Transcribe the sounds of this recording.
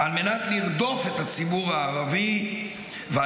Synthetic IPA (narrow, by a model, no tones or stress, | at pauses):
alme̞natliʁd̪o̞fet̪at͡sibuʁaːʁavi | vea